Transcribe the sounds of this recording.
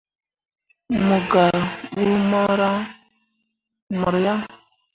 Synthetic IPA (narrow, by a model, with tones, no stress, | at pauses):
mu˨ɡa˨ɓu˦ma˦ɾa˦ | mɔ˨ɾja˦